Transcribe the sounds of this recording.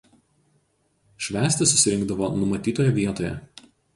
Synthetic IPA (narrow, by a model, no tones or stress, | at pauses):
ʃʲʋʲæːsʲt̪ʲɪsʊsʲɪɾʲɪŋɡ̚d̪ɐʋoːnʊmɐt̪ʲiːt̪oːjɛʋʲiɛt̪oːjɛ̰